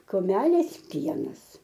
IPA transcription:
kʊˈmʲæːlʲeːs ˈpʲiɛnɐs

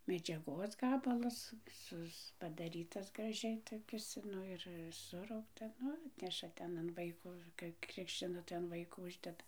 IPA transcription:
mʲɛd͡ʒʲɛˈɡoːs ˈɡɑːbɐlˠɐs ˈsʊs pɐdɐˈrʲiːtɐs ɡrɐˈʒʲɛɪ toːˈkʲɪs ˈnʊ ɪr ˈsʊrɐʊktɐ ˈnʊ ˈɑːtʲnʲɛʃɐ ˈtʲɛn ɐn ˈʋɐɪkoː kɐɪ ˈkrʲɪkʃʲt͡ʃʲɪnɐ tɐɪ ɐn ˈʋɐɪkoː ˈʊʒʲdʲɛdɐ

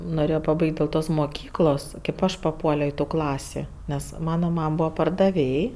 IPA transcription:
noːˈrʲeːjoː pɐˈbɐɪkʲtʲ dʲeːlˠ ˈtoːs moːˈkʲiːklˠoːs kʲeːp ˈɐʃ pɐˈpuɔlʲoː ɪ tuː ˈklˠɑːsʲɪ ˈnʲɛs ˈmɑːnɐ ˈmɐm ˈbuːʋɐ pɐrdɐˈʋʲeːj

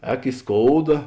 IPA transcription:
ˈɛːk ɪ ˈskoːʊdɐ

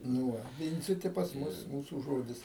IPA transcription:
nʊ ˈʋɐ ˈʋʲɪnʲd͡zʲɪtʲɪ pɐs ˈmʊs ˈmuːsuː ˈʒoːdʲɪs

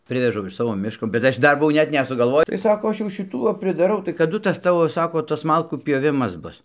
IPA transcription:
ˈpʲrʲɪʋʲɛʒɐʊ ɪʃ ˈsɑːʋoː ˈmʲɪʃkoː bʲɛt ˈɐʃ ˈdɐr bʊˈʋɐʊ ˈnʲɛt nʲɛsʊɡɐlˠˈʋoːj tɐɪ ˈsɑːkoː ˈɐʃ jɛʊ ʃʲɪˈtuː ʋɐ pʲrʲɪdɐˈrɐʊ tɐɪ kɐˈdʊ ˈtɐs ˈtɑːʋoː ˈsɑːkoː ˈtɐs ˈmɐlˠkuː ˈpʲjoːʋʲɪmɐs ˈbʊs

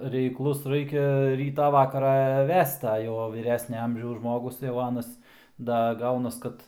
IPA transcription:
rʲɛɪkˈlˠʊs ˈrɐɪkʲɛ ˈrʲiːtɑː ˈʋɑːkɐrɑː ˈʋʲɛst ɐ ˈjɛʊ ʋʲiːˈrʲæːsʲnʲɛ ˈɐmʲʒʲɛʊs ˈʒmoːɡʊs jɛʊ ˈɑːnɐs ˈdɐ ˈɡɐʊnɐs ˈkɐt

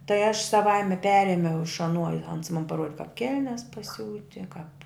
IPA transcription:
tɐɪ ɐʃ sɐˈʋɐɪmʲɛ ˈpʲæːrʲeːmʲɛʊ ɪʃ ɐˈnuɔ ɪ ɐns mɐn pɐˈruɔdʲɪ kɐp ˈkʲɛlʲnʲɛs pɐˈsʲuːtʲɪ kɐp

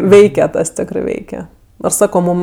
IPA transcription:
ˈʋʲɛɪkʲɛ ˈtɐs ˈtʲæːkrɜ ˈʋʲɛɪkʲɛ ˈnoːrs ˈsɑːkoː ˈmuːm

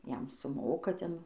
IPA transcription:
ˈjɛm sʊˈmoːkɐ ˈtʲɛn

